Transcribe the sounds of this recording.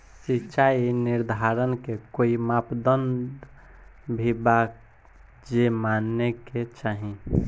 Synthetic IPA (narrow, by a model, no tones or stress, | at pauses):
sit͡ʃainiɾd̪ʱaɾənkekoimapd̪ənd̪ | bʱibak | d͡ʒemanːeket͡ʃaɦi